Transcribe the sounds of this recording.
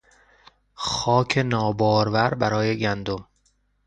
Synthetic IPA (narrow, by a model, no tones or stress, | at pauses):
xɒːcʰe̞nɒːbɒːɾvæɾbæɾɒːje̞ɟænd̪o̞m